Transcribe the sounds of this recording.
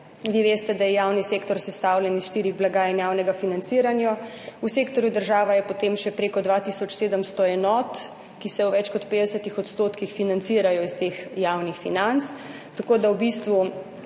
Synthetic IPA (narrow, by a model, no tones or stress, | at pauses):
ʋiʋeːst̪ɛd̪ajɛjaːwniseːkt̪ɔɾsɛst̪aːwlʲɛnisʃt̪iːɾiɣblaɡaːjɛnjawnɛɡafinant̪siɾanjɔ | useːkt̪ɔɾjud̪əɾʒaːʋajɛpɔt̪emʃɛpɾeːkɔd̪ʋat̪isɔt͡ʃseːd̪əmst̪ɔɛnɔːt̪ | kisɛwʋɛt͡ʃkɔt̪peːd̪ɛsət̪ixɔt̪st̪oːt̪kixfinant̪siːɾajɔist̪eːxjawnixfinant̪s | t̪akoːd̪awbist̪ʋu